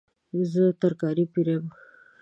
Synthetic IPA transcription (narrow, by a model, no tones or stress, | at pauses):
zət̪aɾkɑɾipiɾem